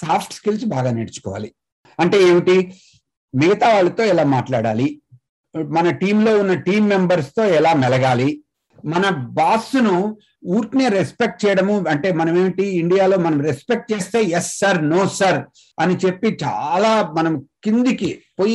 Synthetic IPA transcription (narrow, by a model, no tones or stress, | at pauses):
saːpʰʈskilsbaːɡaːneɽit͡ʃu̥kɔ̰ːʋa̰ːli | ɐɳʈe̞ːeːʋiʈi | miɡɐt̪aːʋaːɭːɐt̪o̞ːilaːmaːʈlaːɽa̰ːli | mɐnɐʈiːmlo̞ːunːɐʈiːmːembɐɾst̪o̞ːɛlaːmɛlɐɡaːli | mɐnɐbaːsunu | uːɾʈneːɾespek̚ʈ̚t͡ʃɛːjɐɽɐmuɐɳʈe̞ːmɐnɐme̞ːʋiʈiːɳɖijaːlo̞ːmɐnɐmɾespek̚ʈ̚t͡ʃeːst̪e̞ːjesːɐɾnoːsɐɾ | ɐnit͡ʃe̞pːit͡ʃa̰ːlaːmɐnɐmkind̪ikipoj